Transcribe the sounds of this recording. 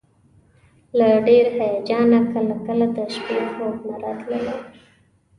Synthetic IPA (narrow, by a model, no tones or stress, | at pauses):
laɖeɾhajɑd͡ʒɑnakəlakəlad̪əʃpexoknaɾɑt̪ləla